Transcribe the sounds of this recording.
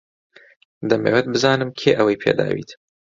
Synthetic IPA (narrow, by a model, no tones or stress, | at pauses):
d̪ɐmḛːwɛt̪̚bɨzaːnɨmkʰeːʔɐwɐjpʰḛːd̪a̰ːwḭːt̪